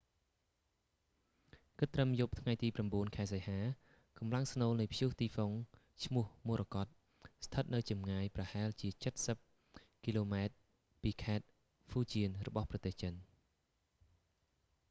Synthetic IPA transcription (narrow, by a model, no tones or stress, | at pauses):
kɨt̪ːrəmjup̚t̪ʰŋajt̪iːpramɓuənkʰaɛs̬ejhaː | kɑmlaŋsnoːlnɨjpʰjuht̪iːfoŋ | t͡ɕʰmʊ̆əhmuərʔakɑt̪̚ | st̪ʰət̪̚nɨwt͡ɕɑmŋaːjprɑhaɛlt͡ɕiət͡ɕət̪̚səp̚ | kiːloːmaɛt̪̚ | piːkʰaɛt̪̚ | fuːt͡ɕiənrɔɓɑhprɑt̪eːht͡ɕən